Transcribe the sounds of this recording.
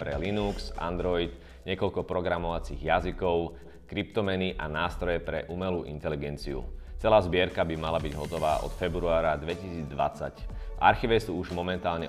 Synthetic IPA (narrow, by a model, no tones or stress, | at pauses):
pɾɛlinuksʔa̰nd̪ɾɔid̪ | ɲɪɛkɔʎkɔpɾɔɡɾamɔʋat͡siːɣjazikɔʊ | kɾipt̪ɔmɛniʔanaːst̪ɾɔjɛpɾɛ̰ʔuːmɛluːʔḭnt̪ɛliɡɛnt͡sḭṵt͡sɛlaːzbɪɛɾkabimalabiɟɦɔt̪ɔʋaːʔɔ̰t̪fɛbɾuaːɾad̪ʋɛcisiːd͡zd̪ʋa̰t͡sa̰cʔa̰ɾxiːʋɛsuːuʒmɔmɛnt̪aːlɲɛ